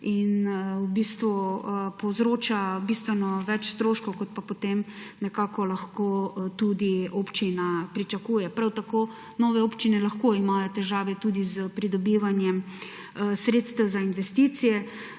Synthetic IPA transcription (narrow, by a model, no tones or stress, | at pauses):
inwbist̪ʋupɔzɾoːt͡ʃabist̪ʋɛnɔʋɛt͡ʃst̪ɾoːʃkɔwkot̪̚papot̪emnɛkaːkɔlaxkot̪ud̪iopt͡ʃinapɾit͡ʃakuːjɛpɾawt̪akoː | nɔːʋɛoːpt͡ʃinɛlaxkoimajɔt̪ɛʒaːʋɛt̪ud̪izpɾid̪ɔbiːʋanjɛm | sɾeːt̪st̪ɛwzainʋɛst̪iːt̪sijɛ